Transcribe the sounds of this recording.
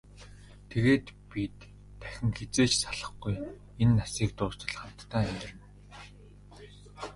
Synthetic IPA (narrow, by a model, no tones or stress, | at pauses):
t̪ʰeɣeːt̪pit̪ʰː | æ̥xʲɪ̆ŋxet͡seːt͡ɕsaɮə̆χɡuj | enːasiːk̚t̪ʊːst̪ə̆ɮχam̥t̪ːaːæmʲt̪ɪ̆rɘ̆n